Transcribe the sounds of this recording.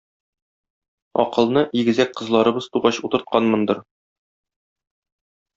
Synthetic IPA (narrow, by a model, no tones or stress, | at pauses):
ɒ̰qɤ̆lˠnɤʔiɡɘ̆zæk̚qɤ̆zlˠɑɾɤ̆bɤz̥t̪uʁɑɕut̪ɤ̆ɾt̪̚qɑnmɤ̆nd̪ɤɾ